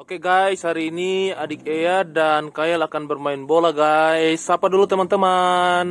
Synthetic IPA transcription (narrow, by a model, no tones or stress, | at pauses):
okeɡaishaɾiːniadɪk̚ejadankajalakanbərmaɪnbolaɡaisːapadulut̪əmant̪əman